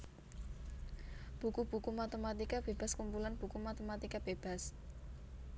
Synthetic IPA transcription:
b̥ukub̥ṳkumat̪emat̪ikab̥eb̥a̤skumpulanb̥ukumat̪emat̪ikab̥eb̥a̤s

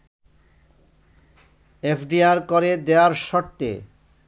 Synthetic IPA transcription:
epʰɖiaɾkoɾed̪eaɾʃɔɾt̪ḛ

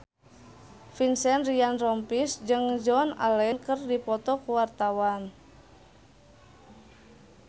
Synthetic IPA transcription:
finsɛnrianrɔmpisd͡ʒɨŋd͡ʒɔna̰lɛnkərdipɔt̪ɔkuwart̪awan

